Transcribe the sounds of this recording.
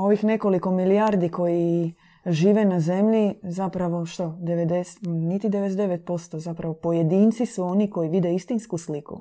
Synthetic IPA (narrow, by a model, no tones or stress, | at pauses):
o̞ʋixne̞ko̞liko̞miliaɾd̪iko̞ji | ʒiːʋenaze̞mʎizapɾaʋo̞ʃt̪od̪eʋed̪esnit̪id̪eʋed̪eʋet̪̚po̞st̪o̞zapɾaʋo̞po̞jed̪iːnt̪sisuo̞niko̞jiʋid̪eist̪inskuslikṵ